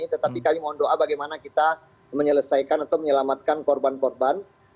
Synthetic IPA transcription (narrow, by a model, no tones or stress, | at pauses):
it̪ət̪apikamimaɔndoʔabaɡajmanakit̪a | məɲələsajkanat̪awməɲəlamat̪̚kankɔrbankɔrban